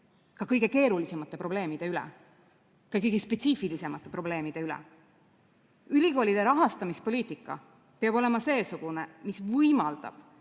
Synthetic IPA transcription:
kɑkɤjɡ̥e̞ke̞ːɾulise̞mɑt̪ˑːe̞pro̞b̥le̞ːmid̪̥e̞ylɛ̰ | kɑjkɤjɡ̥espe̞t̪siːfilise̞mɑt̪ːˑe̞pɾro̞ble̞ːmid̪̥e̞ylḛ | ylʲiko̞ːlid̪̥e̞ɾɑɦɑst̪ɑmispo̞lʲiːt̪ˑikːˑɑ̰ | peɑbo̞le̞mɑse̞ːsuɡ̥unemisvɤjmɑld̪̥ɑ̰b̥

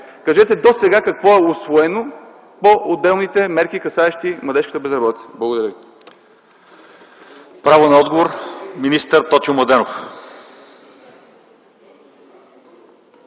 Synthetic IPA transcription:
kɐʒɛt̪ɛd̪osɛɡakɐkvɔɛʊsvoɛno | poʔod̪ɛlˠnit̪ɛmɛɾk̟ikɐsaɛʃt̪imlˠɐd̪ɛʃkə̥t̪əbɛzɾɐbɔt̪it̪sɛ̥blˠɐɡod̪ɐɾʲjəvi | pɾavonɐɔd̪ɡovoɾminist̪əɾt̪ɔt̪uʊmlˠɐd̪ɛnof

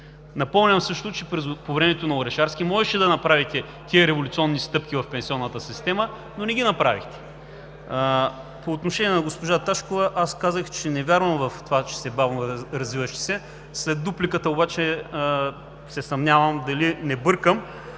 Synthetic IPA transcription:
nɐpɔmnʲɐmsɤʃt̪ot͡ʃɛpɾɛpovɾɛmɛt̪onɐoɾɛʃaɾskʲimɔʒɛʃɛd̪ɐnɐpɾavit̪ɛ | t̪iəɾɛvolʲut̪siɔnːist̪ɤpk̟ʲivɐfpɛnsiɔnːɐt̪əsist̪ɛmə | nonɛɡʲinɐpɾavixt̪ɛ̥ | poːt̪noʃɛniɛnɐɡospoʒat̪aʃkovɐʔaskazəxt͡ʃɛnɛvʲjaɾvɐmvɐft̪ovat͡ʃɛ̥sɛbavnoɾɐzvivɐʃt̪ɛ̥sɛ | slɛd̪̚d̪uplikət̪əobat͡ʃɛ | sɛsɐmnʲavɐmd̪ɐlinɛbɤɾkəm

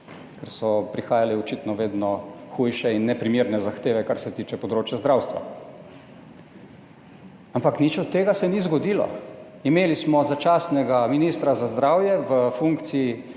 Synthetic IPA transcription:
kɛɾsɔpɾixaːjaliɔt͡ʃit̪nɔʋeːd̪nɔxujʃɛinːɛpɾimiːɾnɛzaxt̪eːʋɛkaɾsɛt̪iːt͡ʃɛpɔd̪ɾoːt͡ʃjazd̪ɾawst̪ʋa̰ | ampaknit͡ʃɔt̪ːeːɡasɛnizɡɔd̪iːlɔ̰ | imeːlismɔzat͡ʃaːsnɛɡaminist̪ɾazazd̪ɾaːwjɛʋəfuŋkt̪sii

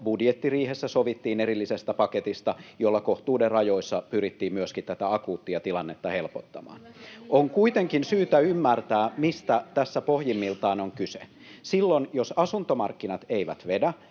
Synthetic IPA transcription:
budjet̪ːiriːhesːæsoʋit̪ːiːneɾilːisest̪æpɑket̪ist̪ɑjolːɑkoht̪uːderrɑjoisːɑpyɾit̪ːiːmmyøskit̪t̪æt̪æɑkuːt̪ːiɑt̪ilɑnːet̪ːɑhelpot̪ːɑmɑ̰ːnʔoŋkuit̪eŋkinsyːt̪æymːært̪æːmist̪æt̪æsːæpohjimːilt̪ɑːnoŋkysḛ | silːonjosɑsunt̪omɑ̰rkːinɑt̪eiʋæ̰t̪ʋedæ

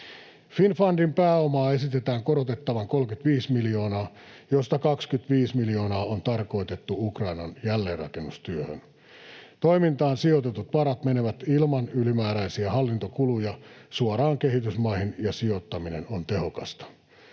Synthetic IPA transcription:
finfɑndimpæːomɑːe̞sit̪et̪æːŋkoɾot̪et̪ːɑʋɑŋko̞lkyt̪ʋiːsmilio̞ːnɑː | jost̪ɑkɑkskyt̪ʋiːsmiljo̞ːnɑːont̪ɑrko̞it̪e̞t̪ːuukrɑinɑnjælːeːrrɑ̰kenːust̪yøhø̰n | t̪oimint̪ɑːnsiot̪et̪ut̪ʋɑɾɑt̪meneʋæt̪ilmɑnylimæːɾæisiæhɑlːint̪okulujɑsuɑɾɑːŋke̞hit̪ysmɑihinjɑsio̞t̪ːɑminḛnont̪e̞hokɑst̪ɑ̥

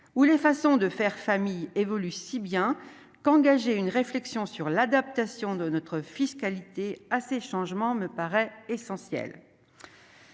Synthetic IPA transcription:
ulefasɔ̃d̪əfɛʁfamijevɔlysibjɛ̃ | kɑ̃ɡaʒeynʁeflɛksjɔ̃syʁlad̪ap̚t̪asjɔ̃d̪ənɔt̪χəfiskalit̪easeʃɑ̃ʒmɑ̃məpaʁɛesɑ̃sjɛ̰l

